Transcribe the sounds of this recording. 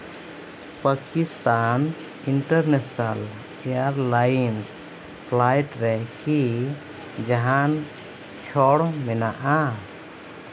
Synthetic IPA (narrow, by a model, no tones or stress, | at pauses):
pəkist̪an | iɳʈəɾnesnal | ejaɾlajns | pʰlajʈɾɛki | d͡ʒaɦan | t͡ʃʰɔɽmɛnaʔa